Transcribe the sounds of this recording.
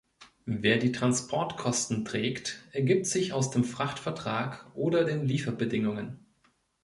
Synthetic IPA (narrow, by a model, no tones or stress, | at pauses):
veːɐdiːtʁ̥anspʰɔɐtkʰɔstn̩tʁ̥ɛːktʔɛɐɡɪːp̚tz̥ɪçaʊsd̥eːmfʁ̥aχtfɛɐtʁ̥aːkʔoːdɐdeːnliːfɐbədɪŋʊŋən